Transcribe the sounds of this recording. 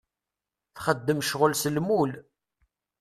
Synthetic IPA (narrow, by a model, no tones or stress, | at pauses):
θχəd̪ːəmʃʁəlsəlmul